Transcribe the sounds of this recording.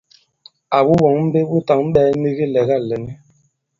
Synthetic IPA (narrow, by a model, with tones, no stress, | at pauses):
a˨bu˦wɔ˨ŋm̩˦be˦bu˦ta˨ŋm̩˦ɓɛː˦ni˦ɣi˦lɛ˨ɣa˦˨lɛ˨nɛ˦